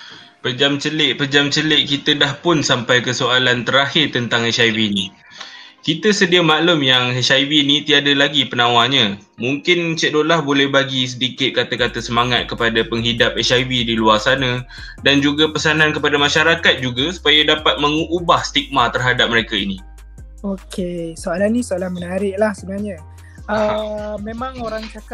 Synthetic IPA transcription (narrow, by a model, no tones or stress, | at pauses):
pəd͡ʒamt͡ʃəlɪʔpəd͡ʒamt͡ʃəlɪʔkit̪ədahpʊnsampajkəsoalant̪əɾahɪrt̪ənt̪aŋhɛsajvinĩ | kit̪əsədiamaʔlʊmjaŋɦɛsavinit̪iadalaɡipənãwaɲã | muŋkɪnt͡ʃədoʔlahbolɛhbaɡis̬ədikɪt̪̚kat̪akat̪asəmaŋat̪̚kəpadapəŋɦidap̚ɛsajvidiluarsanã | dand͡ʒuɡapəsanãnkəpadamãʃaɾakat̪̚d͡ʒuɡasu̥pajadapat̪̚məŋuʔubahst̪ik̚mat̪ərɦadap̚məɾekaini | okesoalanːĩsoalanmənaɾɪʔlahsənaɲa | əmẽmãŋoɾaŋt͡ʃaka